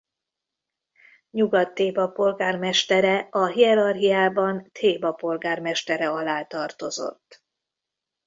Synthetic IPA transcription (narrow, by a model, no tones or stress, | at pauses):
ɲuɡɒt̪ːeːbɒpo̞lɡaːrmɛʃt̪ɛɾɛɒɦiɛɾɒrɦijaːbɒnt̪ʰeːbɒpo̞lɡaːrmɛʃt̪ɛɾɛɒlaːt̪ɒrt̪o̞zo̞̰t̪ː